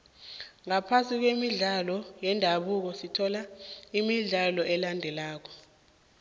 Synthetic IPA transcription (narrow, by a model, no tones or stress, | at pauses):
ŋapʰasʼik̬wemiɮalɔjɛndʱaɓuk̬ɔsitʰɔlaimiɮalɔʔɛlandʱɛlaːk̬ɔ̥